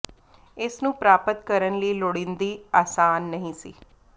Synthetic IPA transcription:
ɪsnũːpɾaːpət̪kəɾənləiːloɽĩnd̪iːaːsaːnːəɦĩːsḭː

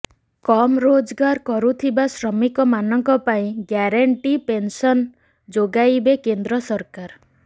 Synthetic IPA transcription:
kɔmɾod͡ʒɡaɾkɔɾut̪ʰibasɾɔmikɔmanɔŋkɔpaĩɡjaɾaɳʈipensɔn | d͡ʒoɡajbekend̪ɾɔsɔɾkaɾ

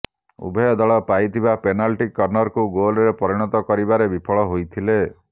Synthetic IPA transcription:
ṵbʱɔjɔd̪ɔɭɔpajt̪ʰibapenalʈikːɔɾnɔɾkuɡolɾepɔɾiɽ̃ɔt̪ɔkɔɾibaɾebipʰɔɭɔɦojt̪ʰile

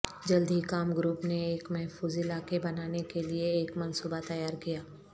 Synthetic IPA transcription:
d͡ʒɐld̪ʱikaːmɡɾuːpneeːkmɛɦfuːzɪlaːkebɐnaːnekelieːkmɐnsuːbat̪ɐjaːɾkijaː

